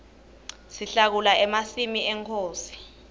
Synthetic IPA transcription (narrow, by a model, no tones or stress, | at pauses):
siɬak̬ulaɛmasimiɛŋkʰoːsi̥